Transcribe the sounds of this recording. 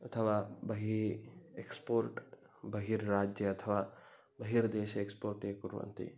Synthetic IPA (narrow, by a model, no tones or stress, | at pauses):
ɐt̪ʰəʋaːbɐɦiɾekspoːɾʈ | bɐɦiɾːaːd͡ʒjəɐt̪ʰəʋaː | bɐɦiɾd̪eːʃekspoːɾʈeːkuɾʋɐ̰nt̪ḭ